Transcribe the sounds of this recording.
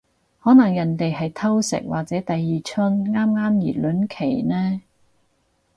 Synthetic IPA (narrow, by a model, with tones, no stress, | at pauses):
hɔː˨˥nɐ˨˩ŋjɐ˨˩nt̪e˨jɦɐ˨jt̪ʰɐ˥wsɪ̰˨˩k̚waː˨k̚t͡sɛː˨˥t̪ɐ˨jːiː˨˩t͡ʃʰɵ˥nŋaː˥mŋaː˥mjḭː˨˩lɵ˨˥nkʰe˨˩jnɛː˥